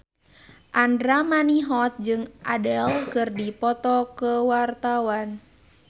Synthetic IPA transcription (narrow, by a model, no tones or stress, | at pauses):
ʔandɾamaniɦɔt̪̚d͡ʒɨŋʔadɛlkɨrdipɔt̪ɔkəwart̪awan